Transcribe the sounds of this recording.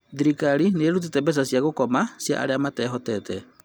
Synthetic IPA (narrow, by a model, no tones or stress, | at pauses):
diɾikaɾineːɾut̬utɛbɛs̬asiaɣokɔmasia̰ʔa̰ɾeamatɛːɦɔtɛtɛ